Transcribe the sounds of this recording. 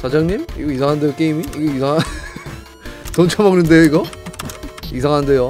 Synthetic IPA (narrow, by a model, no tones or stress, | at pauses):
t͡ɕad͡ʑaŋɲimḭɡʌis̬ʰaŋɦandejok͈eimiiɡʌisʰaŋa | tʌnt͡ɕʰamaɡnɯnde̞joiɡʌ | isʰaŋɦande̞jo